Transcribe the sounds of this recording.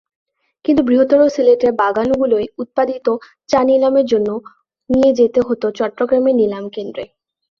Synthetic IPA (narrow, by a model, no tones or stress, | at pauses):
kint̪ubɾiɦot̪ːoɾosileʈeɾbaɡanɡulojut̪̚pad̪it̪o | t͡ɕanilameɾd͡ʑonːo | nijed͡ʑet̪eɦot̪ot͡ɕɔʈːɾoɡɾamenilamkend̪ɾe